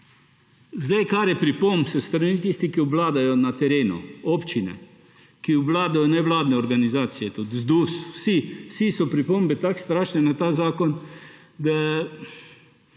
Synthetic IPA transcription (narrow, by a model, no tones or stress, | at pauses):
zd̪ajkaɾjɛpɾipombsəst̪ɾanit̪ist̪ikiublaːd̪ajɔnat̪ɛɾeːnṵoːpt͡ʃinɛ̰ | kiublaːd̪ajɔnɛʋlaːd̪nɛɔɾɡanizaːt̪sijɛt̪ut̪zd̪uːswsiwsisɔpɾipombɛt̪akst̪ɾaːʃnɛnat̪aːzaːkɔn | d̪a